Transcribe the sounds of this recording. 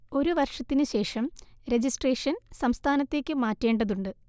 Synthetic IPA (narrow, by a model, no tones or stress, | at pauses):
o̞ɾuʋɐrʂɐt̪ːinɨɕe̞ːʂɐmɾe̞d͡ʑisʈreːʂɐnsɐmst̪ʰaːnɐt̪ːe̞ːkʲːɨmaːtːe̞ːɳɖɐðuɳɖɨ